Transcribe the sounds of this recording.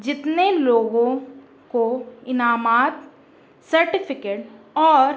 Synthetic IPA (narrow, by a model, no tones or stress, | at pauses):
d͡ʒɪt̪neloːɡõ | koɪnaːmaːt̪ | sɐɾʈɪpʰɪkeːʈ | ɔːɾ